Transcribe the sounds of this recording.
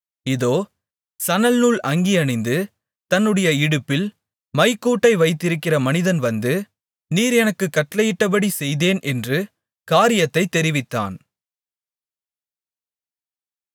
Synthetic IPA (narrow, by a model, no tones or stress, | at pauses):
ɪðoː | sɐnɐlnuːɭɐŋɡiɐnɪnd̪ɯ | t̪ɐnːɯɽɐjɐɪɽɯpːɪl | mɐɪkːuːʈːɐɪʋɐɪt̪ːɪɾɯkːɪrɐmɐnɪðɐnʋɐnd̪ɯ | niːɾɛnɐkːɯkːɐʈːlɐjɪʈːɐpɐɽisɛjðeːnʔɛndrɯ | kaːɾɪjɐt̪ːɐɪt̪ːɛɾɪʋɪt̪ːa̰ːn